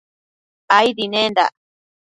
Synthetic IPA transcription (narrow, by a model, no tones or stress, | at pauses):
ajd̪inend̪a̰